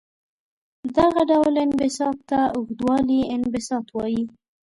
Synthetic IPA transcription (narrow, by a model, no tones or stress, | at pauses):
d̪aɣaɖawlɪnbɪsɑt̪ːaʊɣd̪wɑliɪnbɪsɑt̪wɑji